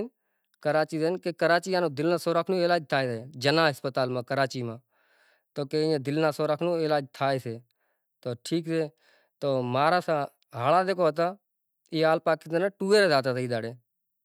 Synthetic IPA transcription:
n | kəɾaːt͡ʃiːsenkeːkəɾaːt͡ʃiːjãːnõːd̪ɪlnãːsoːɾaːkʰnõːeːlaːd͡ʒt̪ʰaːeːseːd͡ʒənãːɦəspət̪aːlmãːkəɾaːt͡ʃiːmãː | t̪oːkeːãːd̪ɪlnãːsoːɾaːkʰnõːeːlaːd͡ʒt̪ʰaːeːseː | t̪oːʈʰiːkseː | t̪oːmaːɾaːsãː | ɦaːlaːd̪eːkʰoːɦət̪aː | iːaːlpaːkid̪enãːʈuːeːɾezaːt̪aːsəiːd̪aːɽeː

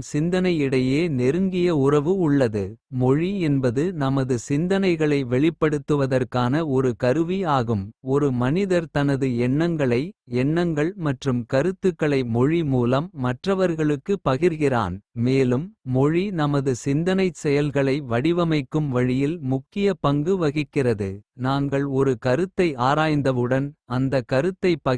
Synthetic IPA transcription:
sɪnd̪ɐnɐɪɪɽɐjeːnɛɾɯŋɡɪjɐʊrɐʋɯʊɭːɐðɯ | mɔɻiɛnbɐðɯnɐmɐðɯsɪnd̪ɐnɐɪɣɐɭɐɪʋɛɭɪpːɐɽɯt̪ːɯʋɐðɐrkaːnɐɔɾɯkɐɾɯʋiaːɣɯmɔɾɯmɐnɪðɐɾt̪ɐnɐðɯɛɳːɐŋɡɐɭɐɪɛɳːɐŋɡɐɭmɐʈrɯmkɐɾɯt̪ːɯkːɐɭɐɪmɔɻimuːlɐmːɐʈrɐʋɐɾɣɐɭɯkːɯpːɐɣɪɾɣɪra̰ːnmeːlɯmːɔɻinɐmɐðɯsɪnd̪ɐnɐɪsɛjɐlɣɐɭɐɪʋɐɽɪʋɐmɐɪkːɯmʋɐɻɪjɪlmʊkːɪjɐpɐŋɡɯʋɐɣɪkːɪrɐðɯ̰naːŋɡɐɭɔɾɯkɐɾɯt̪ːɐɪaːɾaːjnd̪ɐʋɯɽɐnɐnd̪ɐkːɐɾɯt̪ːɐɪpːɐ

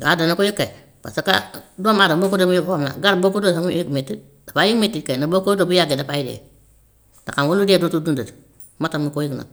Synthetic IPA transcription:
ɡadanakujikːe | pa̰saka̰domadabokudomjikfomna̰ɡaɾbokudosajikmitːi | dapajikmitːikenabokodobjaɡedapajidḛ | dakaŋwuludedotudundat | matamikojiɡna̰

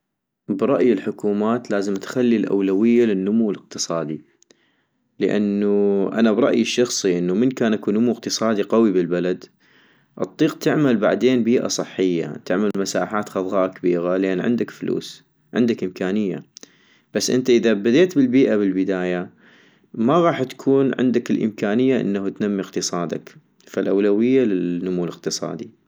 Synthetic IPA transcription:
bɾˤɑʔjɪlħʊkuːmaːt̪laːzəmt̪xalːilʔa̰wlawɪjːalɪnːʊmuwlɪq̚t̪ɨsˤɑːd̪i | ləʔa̰nːuʔa̰nabɾˤɑʔjɪʃːɑxsˤiʔɪnːumənkaːnʔakunʊmuq̚t̪ɨsˤɑːd̪iqɑwibɪlbalad̪ | ʔɨt̪ˤːiːqt̪ɪʕmalbaʕd̪eːnbiːʔa̰sˤɨħːɪjːa̰t̪ɪʕmalmasaːħaːt̪xɑðˤɣɑːʔkabiːɣalʔeːnʕɪ̰nd̪akflṵːs | ʕɪ̰nd̪akʔɪmkaːnɪjːa̰ | b̥asːʔɪnt̪aʔɪðabad̪eːt̪bɪlbiːʔaβɪlbɪd̪aːja | maɣɑːħt̪kʰuːnʕɪ̰nd̪akɪlʔɪ̰mkaːnɪjːaʔɪ̰nːahut̪namːiqt̪ɨsˤɑːd̪a̰k | falʔawlawɪjːalɪnʊmuːlɪqt̪ɨsˤɑ̰ːd̪i

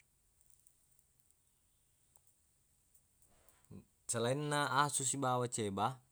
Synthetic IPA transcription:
səlainːaasus̬ibawat͡ʃeba

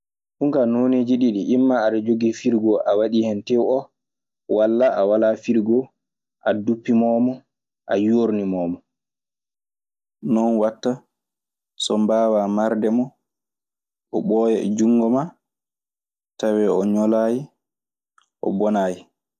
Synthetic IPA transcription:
ɗuŋkanoniːd͡ʒiɗiɗiʔːmːaːɗad͡ʒoɡifiɾɡɔʔawaɗihɛntɛwɔ | walːaʔawalafiɾɡɔ | ʔadupːimɔmɔ | ʔa̰joɾnimɔːmɔ | nɔnwatːa | sɔmbaːwamaɾdɛmɔ | ʔɔɓɔːjɛɛ̰d͡ʒuŋːɡɔma | tawɛɔɲɔlaːji | ʔɔ̰bɔnaːji

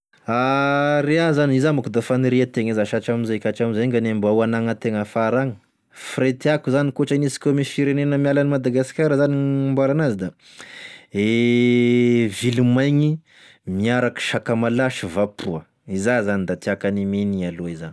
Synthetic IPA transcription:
aɾeazaniizamakud̪afaniɾiat̪eŋezaʃat͡ʃaminzekʲaʈ͡ʂamizeŋɡanembawanaŋət̪eŋəfaɾaŋə | fret̪iakuzanikoʈ͡ʂainisi̥kʲomifiɾenenəmialanimad̪aɡasi̥kaɾəzanimbalanazid̪a | e | vilumajŋi | miaɾaki̥ʃakamalaʃivapʰuə | izazanid̪at̪iakaniminialoizani̥

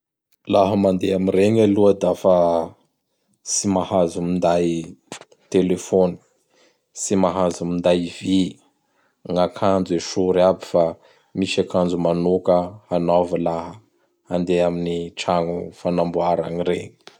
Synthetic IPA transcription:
laɦəmand̪eamireŋaluəd̪afa | simahazumind̪aj | t̪elefoni̥ | simaɦazumind̪ajvi | ŋakʰand͡zueʃuɾabi̥fa | miʃakand͡zumanukəanavəlaɦə | and̪eaminiʈ͡ʂaŋufanambuaɾa̰ɲireŋi̥

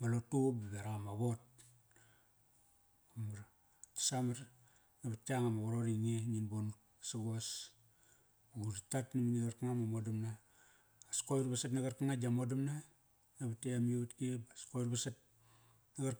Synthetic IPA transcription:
malotubabeɾamaβot̚ | kumaɾ | tḁsamaɾ | nabatiaŋamaɡoɾoɾiŋeninbon | saɡos | uɡuditatnaminiɡaɾkaŋamamodamnaː | skoɾbasatnaɡaɾkaŋad͡ʒamodamna | naβateamiatkibaskoɾbasat̚ | naɡa

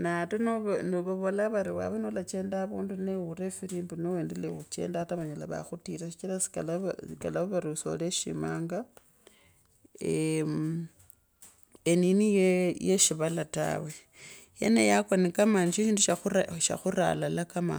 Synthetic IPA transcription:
natonoβnoβuβolaβaɾiwa̰βenolat͡ʃe̞ːndaβuːnduneuɾefiɾimbunoweːndelexut͡ʃe̞̰ːndataβaɲalaβa̰xutiɾaʃit͡ʃiɾasi̥kalsikalaβoβaɾiuso̞̰leʃḭmaːŋɡa | e | eninijejeʃiβalata̰we̞ | jḛnḛjakwanikamaniʃiʃiːnduʃaaʃa̰xuɾa̰lalakama̰

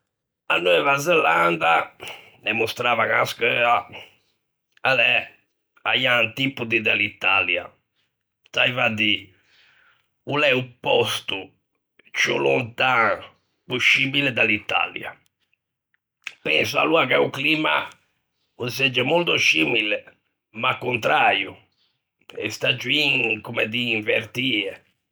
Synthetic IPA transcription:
a̰nːuɛvazɛland̪a | nɛmust̪ɾaːvaŋaaskɛa | alɛ | ajant̪ipːud̪id̪alit̪ːalja̰ | t̪aivad̪i | ulɛupːɔst̪u | t͡ʃṵluɔnt̪a | puʃimilɛd̪alit̪ːa̰lja̰ | pɛnsua̰luakauklima̰ | usɛd͡ʒːɛmolt̪uʃimilɛ | makːunt̪ɾaju | ɛ̰st̪ad͡ʒːuiŋkumɛðiːɱveɾt̪iːɛ

